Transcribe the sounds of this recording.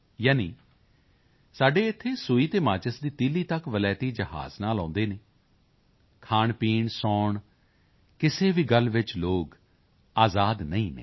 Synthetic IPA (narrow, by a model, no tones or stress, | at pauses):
jaːniː | saːɖeːɪt̪ʰːeːsʊiːt̪eːmaːt͡ʃəsd̪iːt̪iːliːt̪əkʋəlɛːt̪iːd͡ʒəɦa̰ːznaːlɔ̃ːnd̪eːneː | kʰaːɳpiːɳsɔːɳ | kɪseːʋiːɡəlʋɪt͡ʃloːɡ | aːzaːd̪nəĩːnḛː